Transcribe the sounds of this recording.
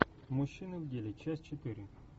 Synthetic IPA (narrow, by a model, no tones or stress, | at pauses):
mʊɕːinɨwdʲelʲɪt͡ɕasʲt͡ɕɪt̪ɨɾʲɪ